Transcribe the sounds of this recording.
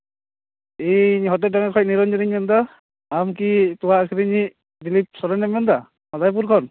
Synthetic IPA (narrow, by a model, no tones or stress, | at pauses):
ijɲɦɔtɛdaŋakʰɔj̚niɾɔnd͡ʒiɾiɲanda | amkituwaːkʰiɾini | dilip̚sɔɾɔnɛmɛnda | mɔzajp̬uɾkʰɔn